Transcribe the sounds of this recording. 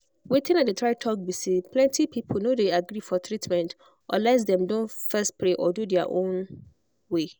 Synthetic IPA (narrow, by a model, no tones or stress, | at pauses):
wetɪ̃nadetʰɹaɪtʰɔk̚bisipʰlɛ̃ntʰipʰipʰol̩nodeaɡɾifɔtʰɹitmɛ̃nt | ʔɔlɛs̬dɛ̃mdõnfɛst̚pʰɹeʔɔdudɛa̰ʔõn | we